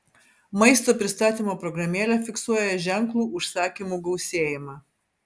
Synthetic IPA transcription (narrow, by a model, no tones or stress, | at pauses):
mɐɪst̪oːpʲɾʲɪst̪ɑːt̪ʲiːˑmoːpɾɔɡɾɐmʲeːlʲɛfʲɪksuɔjɛʒʲɛŋklˠuːʊʃsɑːkʲimuːɡɐʊsʲeːjɪmɑː